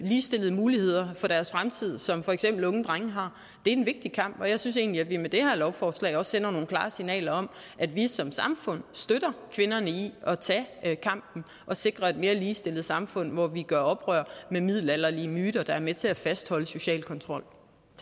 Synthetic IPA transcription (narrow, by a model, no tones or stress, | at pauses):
liːsd̥e̝lð̞̩ˠəmuːlihe̝ð̰ˠɐfɒ̽ɾ̥æɐsfʁamt͡sʰið̞̰ˠsɒ̽mfɒ̽eɡ̥sem̰b̥l̩ɔ̽ŋn̩d̥ʁaŋəɦɑ̈ | d̥e̝æɐenʋe̝ɡ̥̚d̥ikʰɑ̈m̰b̥ɒ̽jɑ̈ɪsynse̝̰ːnliædʋimed̥e̝hæɐlɒʊfɒːslɛ̰ɪɒ̽sːen̰ɐno̝ːn̩kʰlɑ̈ːsinɛ̰ːlɐɒ̽m | ʔæd̥ʋisɒ̽msɑ̈mfɔ̽n̰sd̥øɾ̥ɐkʰʋe̝nɐnəiɒ̽t͡sʰɛkʰɑ̈m̰b̥n̩ | ʔɒ̽se̝ɡ̥ʁɐe̝d̥me̝ːɐliːsd̥e̝lð̩ˠsɑ̈mfɔ̽n̰ʋɒʋiɡ̥ɶɐɒ̽b̥ʁœ̰ɐ̰memið̰ˠlælɐliəmyːɾ̥ɐd̥ɑ̈æɐmet͡sʰe̝æfæsd̥hɒ̽ləso̝ɕɛ̰ːlkʰɒ̽nt͡sʰʁɒ̽l̰